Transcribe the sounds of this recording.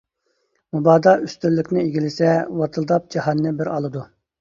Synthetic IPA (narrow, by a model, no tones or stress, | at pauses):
mubɑːd̪ɑyst̪ylːɪkʲnɪeɡʲilɪsɛwɑt̪ʰɨlˠd̪ɑp̚d͡ʒɑhɑnːɨbɪɾɑlˠɨd̪u